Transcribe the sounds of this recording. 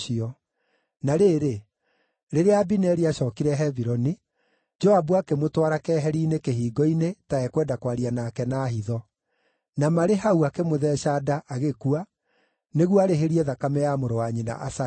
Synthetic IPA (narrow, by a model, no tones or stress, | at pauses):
iɔ | naɾeːɾe | ɾeɾeabinɛɾiaʃɔːkiɾɛɦɛviɾɔni | d͡ʒɔabuakemotwaɾakɛɦɛɾiːnekehiːɡɔinetaɛkwɛːndakwaɾianaːkɛnaːhiðɔ | namaɾeɦauakemoðɛʃadaʔaɣekua | neɣwaɾeɦeɾiɛðakamɛjamoɾowaɲina̰ʔasa